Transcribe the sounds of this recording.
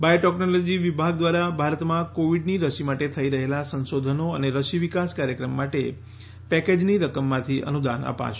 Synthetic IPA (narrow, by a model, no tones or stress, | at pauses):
bajoʈɛknolod͡ʒiʋibʱaɡ̚d̪ʋaɾabʱaɾət̪mãkoʋiɖniɾəʃimaʈet̪ʰəiɾəɦelasə̃nsod̪ʱənoəneɾəʃiʋikaskaɾjəkɾəmːaʈe | pɛked͡ʒniɾəkəmːãt̪ʰiʔə̰nud̪anə̰pa̰ʃ